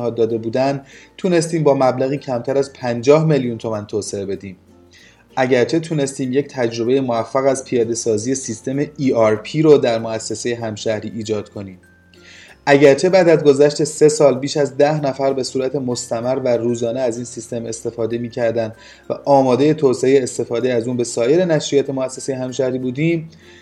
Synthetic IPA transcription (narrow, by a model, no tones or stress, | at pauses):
hɒːd̪ɒːd̪e̞buːd̪ænt̪ʰune̞st̪iːmbɒːmæblæɣiːcʰæmt̪ʰæɾæzpʰænd͡ʒɒːhme̞ljunt̪ʰo̞mænt̪ʰoːse̞ebe̞d̪iːm | ʔæɟæɾt͡ʃʰe̞t̪ʰune̞st̪iːmje̞ct̪ʰæd͡ʒɾo̞be̞jemovæfːæɣæzpʰijɒːd̪e̞sɒːzije̞sist̪e̞meʔiːɒɾpʰiːɾod̪æɾmoæsːe̞se̞jeɦæmʃæhɾiːʔiːd͡ʒɒːd̪̥kʰo̞niːm | ʔæɟæɾt͡ʃʰe̞bæːd̪æzɡo̞zæʃt̪e̞se̞sɒːlbiːʃæzd̪æhnæfæɾbe̞suːɾæt̪ʰe̞mo̞st̪æmæɾværuːzɒːneæziːnsist̪e̞mest̪e̞fɒːd̪e̞miːcʰæɾd̪ænd̪ | væ̰ʔɒːmɒːd̪e̞je̞t̪ʰoːseejeːst̪e̞fɒːd̪eæzuːnbe̞sɒːje̞ɾe̞næʃɾijɒːt̪ʰe̞moæsːesejeɦæmʃæhɾiːbuːd̪iːm